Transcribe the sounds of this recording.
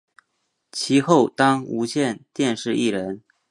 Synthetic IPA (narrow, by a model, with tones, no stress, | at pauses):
t͡ɕʰi˧˥xo˥˩ʊt̪ɑ˥ŋu˧˥ɕjɛ˥˧nt̪jɛ˥˧nʂɻ̩˥˧ʔi˥˩ɻə˧˥n